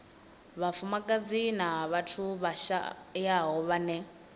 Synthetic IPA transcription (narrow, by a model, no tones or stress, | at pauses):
βafumakʼad͡zinaβatʰuβaʃa̰jaɦɔβanɛ